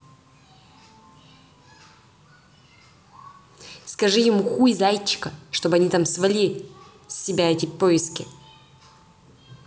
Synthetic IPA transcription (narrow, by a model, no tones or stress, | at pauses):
skɐʐɨjɪmuxuɪzajt͡ɕːɪ̥kəʂt̪obɐnʲit̪amsvɐlʲi | sʲːɪbʲaɛtʲɪpoɪskʲɪ